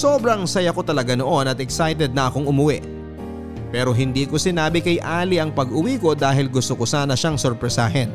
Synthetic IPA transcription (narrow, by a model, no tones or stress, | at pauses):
soːbɾɐŋsɐjɐko̞t̪ɐlɐɡano̞ʔo̞nɐt̪ɛksajt̪ɛd̪̚nɐʔɐkoŋʊmʊwɛʔ | pɛːɾo̞ɦɪnd̪iːko̞sɪnaːbɪkɐjʔaːlɪʔɐŋpɐɡʔʊwiːko̞d̪aːɦɪlɡʊst̪okosaːnɐʃaŋsoɾpɾɛsaːɦɛn